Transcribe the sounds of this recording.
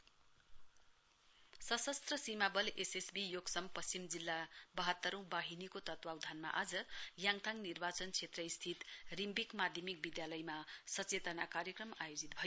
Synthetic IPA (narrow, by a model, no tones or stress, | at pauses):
sʌsʌst̪rʌsimabʌlesesbijoɡsʌmpʌst͡simd͡zilːabʌɦʌt̪ːʌɾũbaɦinikot̪ʌt̪wawd̪ʱanma̰ʔad͡zʌjaŋt̪ʰaŋnirbat͡sʌnt͡sʰet̪rʌist̪ʰit̪rimbikmad̪ʱjʌmik̚bid̪jalʌjmasʌt͡set̪ʌnakaɾjʌkrʌmajod͡zit̪̚bʱʌjo